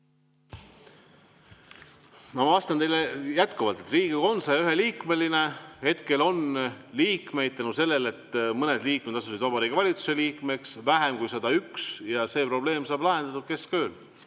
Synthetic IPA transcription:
mɑmɑvɑst̪ɑne̞jlːejæt̪kuvɑlt̪ːˑe̞t̪riːɡ̥iɡo̞nsɑjɑyɦe̞liːkme̞line̞he̞t̪ke̞lo̞nliːkme̞jd̪̚t̪ɑnuse̞lːe̞le̞t̪mɤne̞d̪liːkmed̪̥ɑs̬usid̪vɑbɑɾikːˑevɑlʲit̪su̥se̞liːkme̞ksvæɦe̞mkujsed̪ɑyksjɑse̞ːpro̞b̥le̞ːmsɑːb̥lɑɦe̞nd̪̥ɑt̪u̥ke̞skø̞ːl

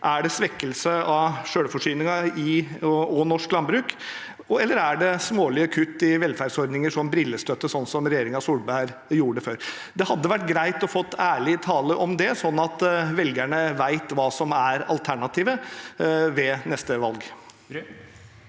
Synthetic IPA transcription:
ʔæɖɛsʋɛkːəlsəʔɑʂøːɽfɔʂyːnɪŋɑɪɔnɔʂklɑnbɾʉːk | ɛlːəɾæɖɛsmoːlɪəkʰʉt̪ːɪʋɛlfæːɾɖsɔɾd̪nɪŋəʂɔmbɾɪlːəst̪øt̪ːəsɔnːsɔmɾɛjeːɾɪŋɑsuːlbæɾ | juːəɖəføːɾ | d̪ɛhɑd̪ːəʋæʈːɡɾæɪt̪ɔfɔt̪ːæːɭɪt̪ʰɑːləʔɔmd̪ɛsɔnːɑt̪ʋɛlɡæɳəʋæɪt̪ʋɑːsɔmæɾɑ̰lt̪ʰæɳɑt̪ʰiːʋə | ʋɛnɛst̪əʋɑlɡ

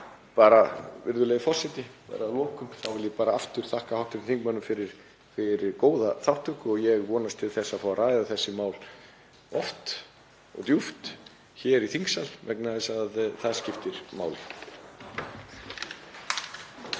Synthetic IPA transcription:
paːɾavɪɾðʏleɣðɪfɔ̥sɪt̪nɪpɛ̰ɾaðlɔːkʏmθawvɪljɛpaːɾaaft̪ʏɾ̥θahkahawht̪ʏɾθiŋkmanʏmfɪɾɪɾ̥ | fɪɾɪɾkoːwðaθawht̪ʏhkʏɔɣjɛɣvɔːnast̪ʰɪlθɛsːafawaraːjðaθɛsːɪmaːwl | ɔft̪ | ɔ̰ɣt̪juft̪ | çɛɾiθiŋksalvɛknaɛsaðθaðscɪft̪ɪɾ̥maːwlɪ

